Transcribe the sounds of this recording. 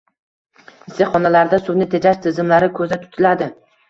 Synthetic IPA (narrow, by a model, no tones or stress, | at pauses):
ɪsɪχɒnalaɾd̪asʊwnɪt̪ʰed͡ʒaʃt̪ʰɪzɪmlaɾɪkʰɵzat̪ʰʊ̥t̪ʰɪlad̪ɪ